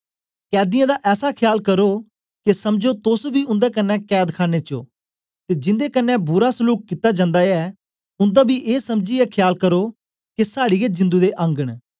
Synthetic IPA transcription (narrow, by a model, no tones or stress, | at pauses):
kɛːd̪ɪjãːd̪aːʔɛːsakʰɪjaːlkəɾoː | kesɐmd͡ʒot̪ʊsbʱiːʊ̃nd̪eːkənːɛ̃ːkɛːd̪kʰaːneːt͡ʃo̰ː | t̪eːd͡ʒɪ̃nd̪eːkənːɛ̃bʊɾaːsʊluːk̚kɪt̪ːaːd͡ʒãːnd̪aːɛː | ʊ̃nd̪aːbiːʔeːsəmd͡ʒiɛkʰɪjaːlkəɾoː | kesaːɽiːed͡ʒɪ̃nd̪uːd̪eʔə̃ŋɡəɽ̃